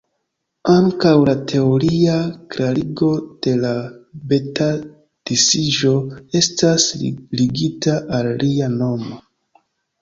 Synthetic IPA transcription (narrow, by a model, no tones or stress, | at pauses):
aŋkawlatʰe̞oɾiakɾaɾiɡo̞d̥e̞labe̞ta | d̥isiʒo̞e̞stasliɡitaʔalːiano̞mo̞